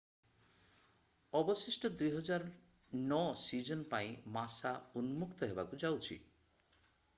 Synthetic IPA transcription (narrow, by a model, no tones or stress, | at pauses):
ɔbɔsisʈɔd̪ujɦɔd͡ʒaɾ | nɔsid͡ʒɔnpaĩmasaunmukt̪ɔɦebakud͡ʒawt͡ʃʰḭ